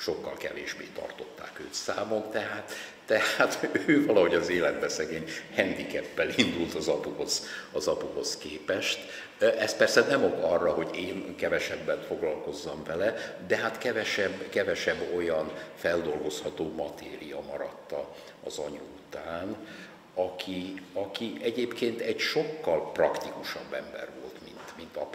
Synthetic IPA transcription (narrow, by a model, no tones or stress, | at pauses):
ʃo̞kːɒlkɛ̰vḛːʒbḛːt̪ɒ̰rt̪o̞t̪ːa̰ːkøːt̪saːmokt̪ɛɦaːt̪ː | ɛhaːt̪øːvɒlɒɦo̞ɟɒzeːlɛd̪bɛsɛɡeːɲhɛnd̪ikɛpːɛlind̪ult̪ɒzɒpuho̞z̥ɒzɒpuho̞skeːpɛʃt̪ | ʔɛst̪̚pɛrsɛnɛmo̞ɡɒrːɒɦo̞ɟeːnkɛvɛʃɛbːɛnfo̞ɡlɒlko̞zːɒɱvɛlɛd̪ɛɦat̪kɛvɛʃɛbːkɛvɛʃɛbːo̞jɒnfɛld̪o̞lɡo̞shɒt̪oːmɒt̪ḛːɾijɒmɒɾɒt̪ːɒ | ɒzɒ̰ɲuut̪aːn | ɒkʰiɒkiʔɛɟeːpkeːnt̪ɛɟʃo̞kːɒlprɒkt̪ikuʃɒbːɛmbɛ̰rvo̞̰lt̪mint̪mint̪ɒp